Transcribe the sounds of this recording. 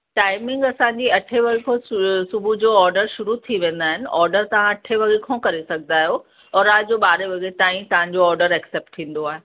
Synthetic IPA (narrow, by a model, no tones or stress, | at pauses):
ʈaːɪmɪ̃ŋɡɐsãːɲd͡ʑiɐʈʰeʋɐɡekʰosʊbʱud͡ʑoːɔːɾɖəɾʃʊɾut̪ʰiʋẽːn̆d̪aːɦɪnɪ̆ʔɔːɾɖəɾt̪ɐʋ̤ãɐʈʰeʋɐɡekʰõːkɐɾesɐɡʱnd̪aːɦijo | ɔːɾaːd͡ʑoːɓaːɾeʋɐɡet̪ãːĩt̪ɐʋ̤ãɲ̆d͡ʑoɔːɾɖəɾɛːkseːp̚ʈt̪ʰĩːn̆d̪oaːɦe